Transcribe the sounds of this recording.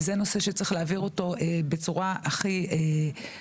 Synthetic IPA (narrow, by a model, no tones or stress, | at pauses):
zeno̞se̞ʃet͡seχleaviʁo̞to̞ʔebet͡suʁaaχie